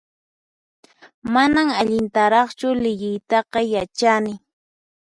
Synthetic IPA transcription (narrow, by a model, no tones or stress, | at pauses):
manaŋaʎɪnt̪aɾɑχt͡ʃʊlɪʎɪjt̪ɑqɑjat͡ʃanɪ